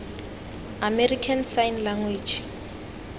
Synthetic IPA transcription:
amɛrikʰansajnlaŋwiːd͡ʒi̥

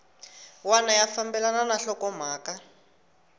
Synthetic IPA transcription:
wanajafambɛlananaɬɔkɔm̤aːka

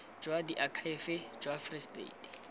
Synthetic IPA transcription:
d͡ʒwadiʔakʰaɪfɪd͡ʒwafristʼḛidi̥

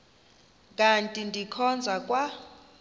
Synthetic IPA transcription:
kʼantʼindʱikʰɔnd͡zʱakʼwa

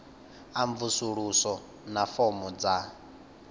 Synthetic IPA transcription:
aɱvusuɺusɔ | nafɔmɔd͡za

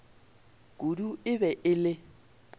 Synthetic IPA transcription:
ɡ̥ʱuduɪβɛʔɪlɪ

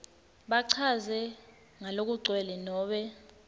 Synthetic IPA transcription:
ɓaǀʰazɛ | ŋalok̬uǀʱwɛlɛnɔːɓɛ

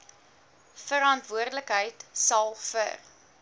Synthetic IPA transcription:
fəɾɐntvuərdələkɦəjtsɐlˠfə̰r

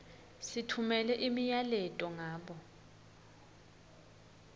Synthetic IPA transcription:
sitʰumɛlɛʔimijalɛtʼɔŋaːɓɔ

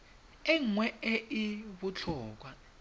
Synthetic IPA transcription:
ɛŋwɛɛʔiβut͡ɬʰɔːk̬wa

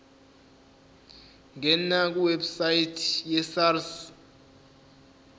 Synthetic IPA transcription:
ŋɛnak̬uwebsaitʼʰjɛsars

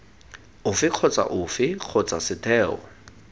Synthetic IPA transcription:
ʊfɪq͡χʰɔt͡sʼa̰ʔʊfɪq͡χʰɔt͡sʼasɪtʰɛːɔ̰

